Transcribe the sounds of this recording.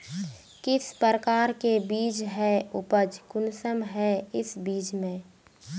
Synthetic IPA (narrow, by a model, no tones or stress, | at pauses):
kɪspəɾəkaːɾkebiːd͡ʒɦɛʊpəd͡ʒkʊnsəmɦɛɪsbiːt͡ʃmẽ